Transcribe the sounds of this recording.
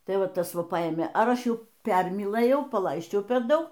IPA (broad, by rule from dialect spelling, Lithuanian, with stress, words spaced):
ˈtɐɪ ˈʋɐ ˈtɐs ˈʋɐ ˈpɐeːmʲeː ˈɐr ˈɐʃ ˈjɛʊ ˈpʲɛrʲmʲiːlˠɘjɛʊ pɐˈlˠɐɪsʲt͡ʃʲɛʊ pʲɛr ˈdɐʊk